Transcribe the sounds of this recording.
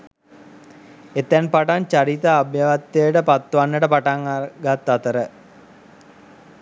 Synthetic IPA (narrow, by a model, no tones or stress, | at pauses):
et̪ːɛnpaʈant͡ʃaɾit̪aːbjaʋat̪ːəjəʈəpat̪ːuʋanːəʈəpaʈaŋaɡat̪ːat̪əɾə